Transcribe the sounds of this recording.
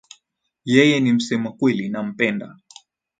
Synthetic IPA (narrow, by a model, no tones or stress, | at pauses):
jɛjɛnim̩sɛmakwɛlinam̩pɛnda̰